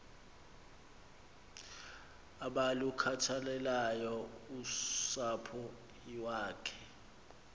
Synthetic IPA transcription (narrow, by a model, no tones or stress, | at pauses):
aɓalukʰatʰalɛlajɔusapʰu | waːkʰɛ̥